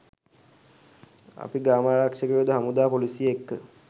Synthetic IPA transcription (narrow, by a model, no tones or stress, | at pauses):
a̰piɡɾaːmaːɾakʃəkijod̪əɦamud̪aːpolisiekːə